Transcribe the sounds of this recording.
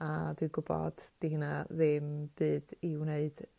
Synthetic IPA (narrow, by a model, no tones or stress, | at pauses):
adwɨnɡʊbɔ̰d̥d̥ihinaðɪmb̥ɨːdiwneɨd̥